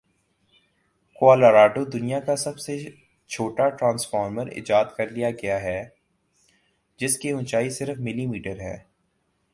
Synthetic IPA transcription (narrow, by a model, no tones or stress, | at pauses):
kwaːlaɾaːɖod̪ʊnijakasɐbse | t͡ʃʰoːʈaʈɾãːnsfaːɾməɾɪ̰d͡ʒaːd̪kɐɾlijaɡɐjaɦɛː | d͡ʒɪskeʊ̃nt͡ʃaːisɪɾfmɪlimiːʈəɾɦɛ̰ː